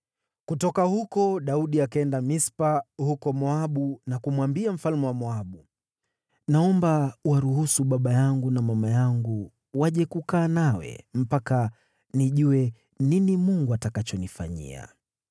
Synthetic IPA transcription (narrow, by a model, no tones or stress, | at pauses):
kutɔkahukɔɗauɗiakaɛndamispahukɔmɔaɓunakumwambiam̩falmɛwamɔaɓu | naɔmbawaɾuhusuɓaɓajaŋɡunamamajaŋɡu | waʄɛkukaːnawɛ̰m̩paka | niʄuwɛ | ninimuŋɡuatakat͡ʃɔnifa̰ɲḭa̰